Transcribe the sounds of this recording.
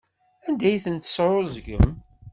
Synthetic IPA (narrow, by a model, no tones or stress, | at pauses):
ænd̪æjθənt̪ə̥sɾʊzɡə̰m